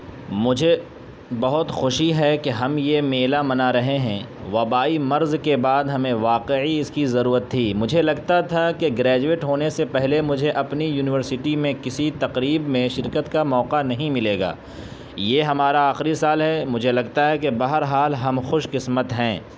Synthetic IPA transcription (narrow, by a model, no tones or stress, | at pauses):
mʊd͡ʒʱe | bɐɦʊt̪xʊʃiɦɛkeɦɐmjemeːlamɐnaɾɐɦeɦɛ̃ | ʋɐbaːimɐɾzkebaːd̪ɦɐmẽʋaːqeʕiɪskizɐɾuːɾət̪ʰːiːmʊd͡ʒʱelɐɡt̪at̪ʰakeɡɾɛːd͡ʒueːʈɦoːnesepɛɦlemʊd͡ʒʱeʔɐpnijuːnɪʋəɾsɪʈimẽkɪsit̪ɐqɾiːbmẽʃɪɾkət̪kamɔːqanɐɦĩmɪleːɡa̰ː | jeɦɐmaːɾaaːxɾisaːlɦɛmʊd͡ʒʱelɐɡ̚t̪aɦɛkebɐɦəɾɦaːlɦɐmxʊʃqɪsmət̪ɦɛ̃ː